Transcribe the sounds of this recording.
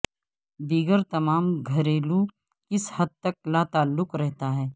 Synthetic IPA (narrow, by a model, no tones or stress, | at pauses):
biːɡəɾt̪ɐmaːmɡʱɐɾeːlu | kɪshɐd̪̚t̪ɐk̚laːt̪aːlːʊqɾɛɦt̪aɦɛː